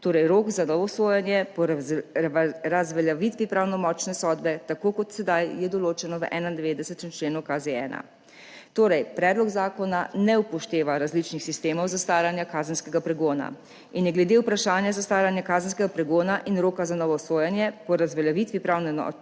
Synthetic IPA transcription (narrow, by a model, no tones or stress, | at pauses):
t̪oːɾɛjɾoːkzanɔːʋɔsoːjɛnjɛpɔ | ɾazʋɛljaʋit̪ʋipɾaːwnɔmɔːt͡ʃnɛsɔːd̪bɛt̪akoːkɔt̪sɛd̪ajjɛd̪ɔloːt͡ʃɛnɔʋəʔɛːnand̪ɛʋeːd̪ɛsɛt̪ɛmt͡ʃleːnɔwkazeɛːna̰ | t̪oːɾɛjpɾɛːd̪lɔɡzaːkɔnanɛupɔʃt̪eːʋaɾazlit͡ʃnixsist̪eːmɔwzast̪aːɾjanjakaːzənskɛɡapɾɛɡoːna̰ | injɛɡlɛd̪eupɾaʃaːnjazast̪aːɾjanjakaːzənskɛɡapɾɛɡoːnaʔinɾoːkazanɔːʋɔsoːjɛnjɛpɔɾazʋɛljaʋit̪ʋipɾawnɛmɔ̰